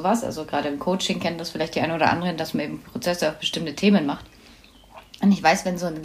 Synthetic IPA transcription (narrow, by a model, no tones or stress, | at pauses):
vasʔa̰lzoɡʁaːɾəɪmkʰoʊt͡ʃɪŋkʰɛntdasfɪlaɪtd̥iːʔaɪnoːdɐ̰ʔa̰ndəʁəndasmaneːbm̩pʰʁ̥ot͡sɛsəaʊfb̥əʃtɪmtətʰeːmənmaχt | ʔʊntɪçv̥aɪsvɛnzoːnɡ